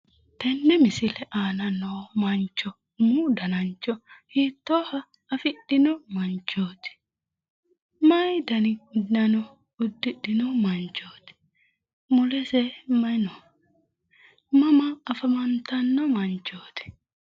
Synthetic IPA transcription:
t̪ɛnːɛmɪsɪlɛʔaːnɐnoːmɐnt͡ʃːɔ | mud̪ɐnɐnt͡ʃːɔhiːt̪ːoːhɐ | ɐfɪɗɪnɔmɐnt͡ʃːoːt̪ɪ̥ | mɐjd̪ɐnɪʊd̪nɐnɔ | ʊd̪ːɪɗɪnɔmɐnt͡ʃːoːt̪ɪ̥ | mʊlɛsɛmɐnɔ | mɐmɐːfɐmɐnt̪ɐnːɔmɐnt͡ʃːoːt̪ɪ̥

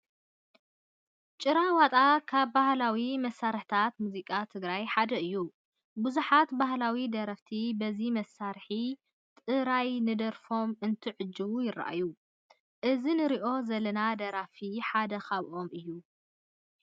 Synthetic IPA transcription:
t͡ʃʼɨɾawat̪ʼakʰaβbahlawimɐsːaɾħt̪ʰat̪muzikʼat̪ʰɨɡɾajħad̪ɐɨjːu | buzuħat̪bahlawid̪ɐɾɐft̪ʰibɐzimɐsːaɾħi | t̪ʼɨɾajnɨd̪ɐɾfo̞mɨnt̪ʰɨʕɨd͡ʒːɨβujɪrːa̰ʔa̰ju | ʔɨzinɨɾiʔo̞zɐlɐnad̪ɐɾafiħad̪ɐxaβʔo̞mɨjːu

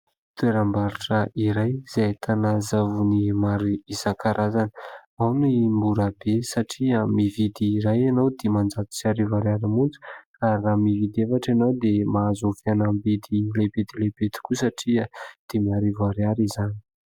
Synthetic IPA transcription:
t̪weɾambaɾuʈ͡ʂəʔiɾajz̥eat̪ʰanazavunimaɾiizaŋkaɾʔazanə̥awnimbuɾabesaʈ͡ʂiamivid̪iːɾajanawd̪̥emand͡zat̪i̥t͡ʃaɾivaɾjaɾimunt͡su̥karamivid̪efaʈ͡ʂanawd̪emazofianambid̪ilebet̪ilebet̪i̥kusaʈ͡ʂiəd̪̥emiaɾivaɾjaɾizani̥

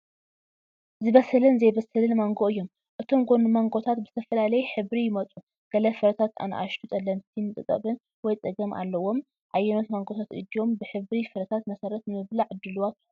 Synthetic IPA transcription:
zɨβɐsɨlɨnzejbɐsɨlɨnmaŋɡoɨjːo̞m | ʔɨt̪ʰo̞mɡonmaŋɡot̪ʰat̪bɨzɨ̥t̪ʰɐfɐlalɐjħɨβɾijɪmɐt͡sʼu | ɡ̥ɐlɐfɨɾɐt̪ʰat̪a̰nʔa̰ʃt̪ʰut̪ʼɐlːɐnt̪ʰinɨt̪ʼɨt̪ʼːɐ̰βɨn | wɔjt͡sʼɐɡɐmʔa̰lːɐwo̞m | ʕajːɛno̞t̪maŋɡot̪ʰat̪ʔɨ̰d̪io̞mbɨħɨβɾifɨɾɐt̪ʰat̪mɐsɐɾɐt̪nɨmɨβliʕɨd̪ːɨlwat̪

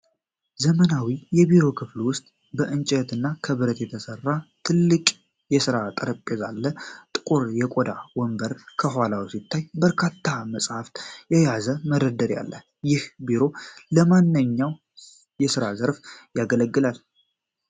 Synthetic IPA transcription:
zəmənawijɛbiɾo̞kʰɨflwʊst̪ʼ | bəʔɨnt͡ʃʼɛt̪ɨnːakʰəβɨɾət̪jɛt̪ʰəsərːat̪ʰɨlːɨkʼ | jɛsɨɾat̪ʼəɾəpʼːezalːət̪ʼɨkʼuɾjɛkʼod̪awɔmbəɾkʰəɦalawisit̪ʰːajbəɾkʰat̪ʰːaməsʼhaft̪jɛjazəməɾəd̪əɾja̰lːə | jɪhbiɾo̞ləmanːɨɲːaw | jɛsɨɾazəɾfjaɡələɡːɨlal

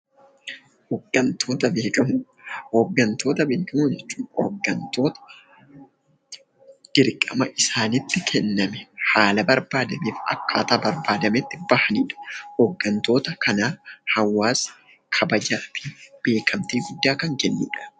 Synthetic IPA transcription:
hɔɡɐnt̪ʰoːt̪ɐbeːkɐ | hoːɡːɐnt̪o̞ːt̪ɐbeːkɐmʊd͡ʒɛt͡ʃːʊːmɔ̰ɡɐnt̪oːt̪ɐ̥ | d̪̥ɪɾkʼɐmɐʔɪsaːnɪt̪ːɪkʰɛnːɐmɛhaːlɐbɐɾbaːd̪ɐmeːfɐ̰kːaːt̪aːbɐɾbaːd̪ɐmɛt̪ːɪbɐhɐniːᶑɐ̥hoːɡːɐnt̪o̞ːt̪ɐkɐnaːhɐwːaːs | kʰɐbɐd͡ʒaːfɪb̥e̞ːkʰɐmt̪iːɡʊd̪ːaːkɐŋkɛnːḭːᶑɐ̥

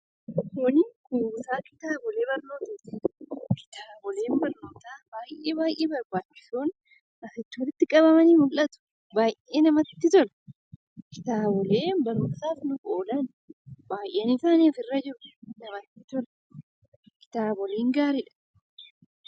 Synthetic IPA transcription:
kɔnɪkuːsaːkɪ̥t̪aːbɔle̞ːbɐɾno̞ːt̪ɐːt̪iᶑɐ̥kɪ̥t̪aːbɔle̞ːmbɐɾnoːt̪aːbaːjʔeːbaːjʔeːbɐɾbaːt͡ʃːɪ̥suːn | ʔɐsɪt͡ʃ̪ːwɔlɪt̪ːɪkʼɐβɐmɐniːmʊlːɐt̪ʊ̥ | baːjʔeːnɐmɐɪt̪ːɪt̪ʊlɛ̥ | kɪ̥t̪aːbɔleːbɐɾoːnsaːfnʊkʼoːlɐn | baːjʔenɪsaːniːfɪrːɐd͡ʒɪɾʊ̥nɐmɐt̪ːɪt̪ʊɾɛ̥ | kɪ̥t̪aːbɔleːŋɡaːɾɪᶑɐ̥

